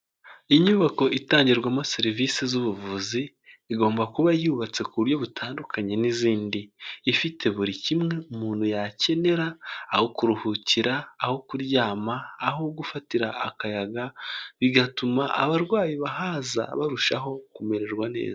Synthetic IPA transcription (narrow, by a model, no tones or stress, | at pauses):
iɲuβako̞ʔitaːɲɟiɾɡwamase̞ɾiviːsizuβuvuziː | ɡo̞ːmbakuβajuβat͡se̞kuuɾjo̞βutʰaːndukʰaɲe̞niziːndiːfitʰe̞βuɾicimŋe̞umuːn̥hujace̞ne̞ɾaːho̞kuɾuhuciɾaːho̞kuɾɟaːmaːho̞ɡufatiɾaakajaɡaβiɡatumaʔa̰βaɾɡwaːjiβahaza̰βaɾuʃaɦo̞kume̞ɾe̞ɾɡwane̞̰ːza